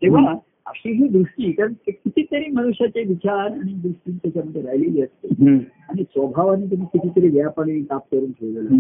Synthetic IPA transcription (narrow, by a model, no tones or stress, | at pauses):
t̪eʋəa | ə̰ɕiɦid̪ɾuʂʈiːkaɾəɳekit̪ʰiːt̪əɾiːməñuʂjat͡ɕeʋit͡ɕaɾañid̪ɾuʂʈiːnt̪jat͡ɕamənt̪əɾajleiəst̪eaɽ̃isʋəbʱaʋaniːt̪̬um̤ikit̪ʰiːt̪əɾiʋjapəɽenĩkap̚kəɾuːnkʰeʋd͡zela